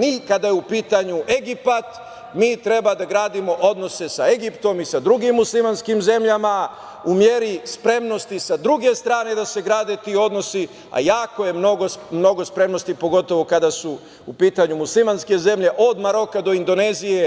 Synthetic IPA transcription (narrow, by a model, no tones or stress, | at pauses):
nikad̪ajeupiːt̪aɲuʔe̞ɡipat̪ | miːt̪ɾe̞bad̪aɡɾaːd̪imo̞ʔo̞d̪no̞se̞sae̞ɡipt̪o̞misad̪ɾuɡimːuslˠimanskimze̞mʎama | umje̞ɾispɾe̞mno̞st̪isad̪ɾuɡe̞st̪ɾaːne̞d̪ase̞ɡɾaːd̪e̞t̪iːo̞d̪no̞si | a̰jaːkoje̞mno̞ɡomno̞ɡo̞spɾe̞mno̞st̪ipo̞ɡo̞t̪o̞ʋo̞kad̪asu | upiːt̪aɲumuslˠimanske̞ze̞mʎe̞ʔo̞d̪maɾo̞kad̪o̞ind̪o̞ne̞zije̞